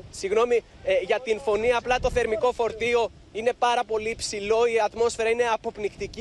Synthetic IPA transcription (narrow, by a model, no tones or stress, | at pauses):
siɣno̞mi | ʝɐt̪info̞niɐːplɐt̪o̞θe̞ɾmiko̞fo̞ɾt̪io̞ | ine̞pɐɾɐpo̞liːpsilo̞iɐt̪mo̞sfe̞ɾɐine̞ɐpo̞pnikt̪ic